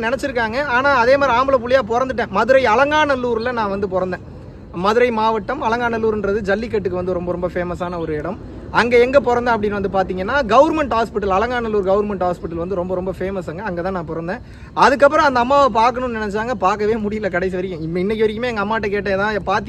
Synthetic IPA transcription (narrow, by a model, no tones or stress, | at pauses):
nɪnɛt͡ʃːɪɾɯkːaːŋɡɐaːnaːɐðeːmaːɾiaːmbɐɭɐp̬ʊɭɪjaːp̬ɔɾɐnd̪ɯʈːẽːmɐðɯɾɐɪɐlɐŋɡaːɳɐlːuːɾlɐnãːʋɐnd̪ɯpɔɾɐnd̪ẽː | mɐðɯɾɐɪmaːʋɐʈːɐmɐlɐŋɡaːɳɐlːuːɾɯndɾɐðɯd͡ʒɐlːɪkːɐʈːɯkːɯʋɐnd̪ɯɾɔmbɐɾɔmbɐfeːmɐsaːnɐɔɾɯɪɽɐm | ɐŋɡeɛŋɡɐpɔɾɐnd̪ɐ̃ːɐpːɐɽɪnːʋɐnd̪ɯpaːɾt̪iːŋɡɐnːaːɡɐʋɐɾmɛɳʈhaːspɪʈːɐlɐlɐŋɡaːɳɐlːuːɾɡɐʋɐɾmɛɳʈhaːspɪʈːɐlʋɐnd̪ɯɾɔmbɐɾɔmbɐfeːmɐsɐŋɡɐɐŋɡeːt̪ãːnãːpɔɾɐnd̪ẽː | ɐðɯkːɐpːɯɾɔ̃ɐnd̪ɐːmːaːʋɐpaːɾkɐɳʊ̃nnɪnɛt͡ʃːaːŋɡɐpaːɾkɐʋeːmʊɽɪjɪlɐkɐɽɐɪs̬iʋɐɾɪkːʊ̃ɪɪnːɛkːɪʋɐɾɪk̬ːɯmeːɛŋɡɐmːaːɐʈːɐkeːʈːẽːɛðãːpaːɾt̪